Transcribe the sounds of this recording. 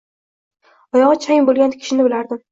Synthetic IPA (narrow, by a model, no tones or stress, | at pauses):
ɒjɒʁɨt͡ʃʰajɪmbolˠɡʲankʲʰɪ̥ʃɪnɪbɪlaɾd̪ɪm